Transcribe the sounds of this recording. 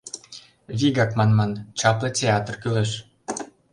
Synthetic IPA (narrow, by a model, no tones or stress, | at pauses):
vʲiɡɑkmɑnmɑnt͡ɕɑplɤ̆tʲeɑt̪rkylɘ̆ʃ